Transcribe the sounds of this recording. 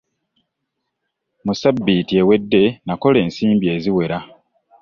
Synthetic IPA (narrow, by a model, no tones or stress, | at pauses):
musabːitie̞we̞dːe̞nako̞le̞ːnsiːmbije̞ːziwe̞ɾa